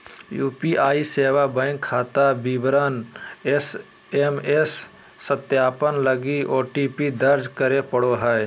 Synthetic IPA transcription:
juːpiʔaːiseːwabə̃ːŋkʰːaːt̪abiːbɾənes | emesː | ət̪jaːpənləɡiʔoːʈiːpid̪əɾd͡ʒkəɾepəɽoɦəe

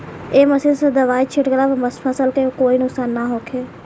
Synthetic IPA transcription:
eːməsisəd̪əʋaːit͡ʃʰɪʈɡlaːʋməspʰaːsəlkəokoːiːnʊksaːnːaːɦoːkʰeː

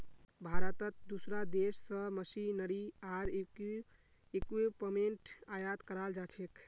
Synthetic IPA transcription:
bʱaɾət̪ət̪̚d̪usɾad̪esːə̃məsinəɽiaɾ | ekipəmeɳʈajat̪kəɾald͡ʒat͡ʃʰek

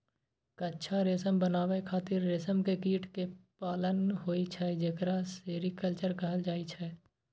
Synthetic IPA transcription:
kətːʃʰaɾeːsəmbənaːʋekʰaːt̪ɪɾːeːsəmkekiːʈkepaːlənɦoːit͡ʃʰɛd͡ʒekɾaseːɾikəlt͡ʃəɾkəɦəld͡ʒaːit͡ʃʰɛː

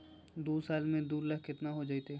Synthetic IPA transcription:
d̪uːsaːlmẽd̪uːɾləɦkɪt̪naɦod͡ʒaːit̪eː

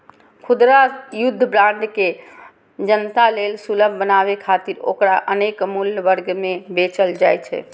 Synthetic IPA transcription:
kʰud̪ɾajud̪ʱːəbɾãɳɖke | d͡ʒənt̪alelsuləbʱbənaβekʰat̪iɾo̰kɾaʔənekmulʋəɾɡmebet͡ʃəld͡ʒajt͡ʃʰɛ̰

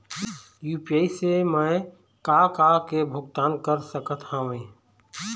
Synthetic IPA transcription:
juːpiaisemə̃ | kaːkakebʱʊɡt̪aːnkəɾsəkət̪ʰhãːʋẽː

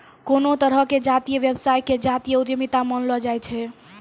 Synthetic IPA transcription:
konot̪əɾəked͡ʒat̪ijəʋjebsajked͡ʒat̪ijəut̪jəmit̪amənlɔd͡ʒajt͡ʃʰɛ

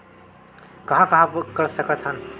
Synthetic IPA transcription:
kəɦãkəɦãkəɾsəkət̪ʰɦən

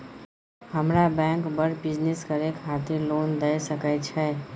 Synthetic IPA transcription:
həmɾabɛ̃kbəɽbid͡ʒneskəɾekɦat̪ilond̪əjsəkət͡ʃʰɛ

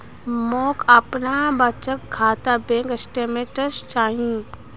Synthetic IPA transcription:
moːkɐpnabət͡ʃəkkʰːaːt̪abẽːkəsʈemẽʈəst͡ʃaːɦĩː

